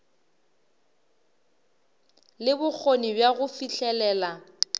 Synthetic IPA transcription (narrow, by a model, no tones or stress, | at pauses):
lɪbʊk͡xʰonibjaɣʊfiɬɛlɛːla